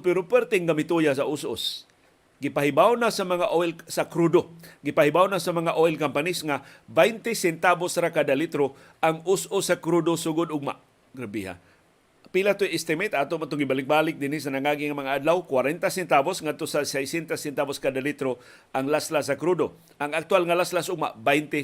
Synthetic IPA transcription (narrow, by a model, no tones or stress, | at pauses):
pɛɾopɛɾt̪ɪŋɡamɪt̪ujas̬aʔʊsʔo̰s | ɡɪpaɦɪbawnasamɐŋaʔoɪlsakɾud̪oɡɪpahɪbawnasamɐŋaʔoɪlkampanisŋabajnt̪ɪsɛnt̪abosɾakad̪alit̪ɾo | ʔaŋʊsʔʊsːakɾud̪osʊɡʊd̪ʊɡ̚ma̰ | ɡɾabiɦa̰ | pilat̪ojɪst̪emɛt̪aːt̪omat̪oŋɡɪbalɪk̚balɪk̚d̪ɪnisanaŋaɡiŋamɐŋaʔad̪lawkwaɾɛnt̪asɛnt̪abosŋad̪̚t̪osasajsɛnt̪asɛnt̪aboskad̪alit̪ɾo | ʔaŋlaslasakɾud̪o | ʔaŋak̚t̪walŋalaslasʔʊɡ̚ma̰bajnt̪e